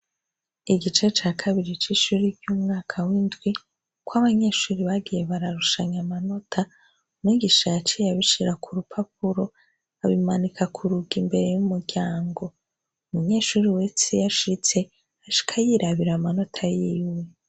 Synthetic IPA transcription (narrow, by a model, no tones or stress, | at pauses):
iɡit͡ʃe̞t͡ʃaːkʰaβiɾit͡ʃiʃuɾiɾjumŋaːkʰawindɡwi | kwaβaɲe̞ːʃuːɾiβaɡijeβaɾaɾuʃaɲamano̞tʰa | miɡiʃat͡ʃijaβiʃiɾakʰuɾupʰap̚uɾo̞ | aβimanikʰakʰuɾuɡimbe̞ɾe̞jumuɾɟaːŋɡo̞ | umuɲe̞ːʃuːɾiwe̞t͡sejaʃit͡se̞ | aʃi̥kʰajiɾaβiɾamano̞tʰajiːwe